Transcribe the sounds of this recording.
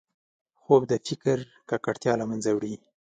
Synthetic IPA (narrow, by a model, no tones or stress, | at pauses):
xob̚d̪əfɪkɾ | kakaɽt̪jɑlamanzawɽi